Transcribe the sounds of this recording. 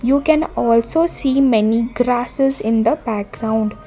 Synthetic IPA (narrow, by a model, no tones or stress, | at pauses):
juːkɛ̃nɔːlsoːsiːmɛniɡɾaːsɪzɪ̃nd̪əbæk̚ɡɾãʊ̃ɳɖ